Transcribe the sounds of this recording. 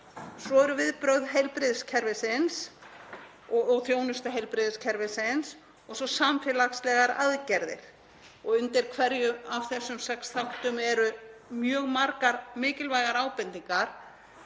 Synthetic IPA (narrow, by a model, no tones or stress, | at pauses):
sɔɛɾʏvɪðpɾœɣðɦejlpɾɪðscʰɛɾvɪsɪns | ɔɔɣθjoːwnʏst̪aɦejlpɾɪðscʰɛɾvɪsɪns | ɔɣsɔsamfɪlakslɛɣaɾa̰ðcɛɾðɪ̰ɾ̥ | ɔɣʏnt̪ɪɾ̥kʰvɛɾjʏavθɛsːʏmsɛksθawht̪ʏmɛɾʏmjœːɣmaɾkaɾmɪːcɪlvajɣaɾaːwpɛnt̪iŋkaɾ̥